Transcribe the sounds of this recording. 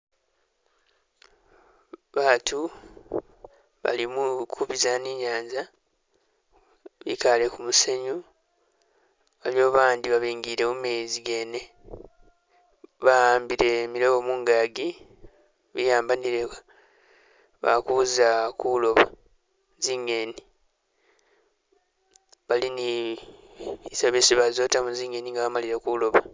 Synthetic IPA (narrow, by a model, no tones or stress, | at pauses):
βaːtu | βa̰limukʰuβizaniɲaːnza | βḭkale̞kumuseɲu | βaljoːβaːndiβaβiːŋɡiɾe̞mumeziɡe̞ne̞ | βaaːmbiɾe̞miɾoβomuŋɡaɡi | βijaːmbaniɾeka | βa̰kuzakulo̞βa | ziŋe̞ni | βalini | isaβesiβazoːtamuziŋe̞niŋɡaβamaliɾe̞kulo̞βa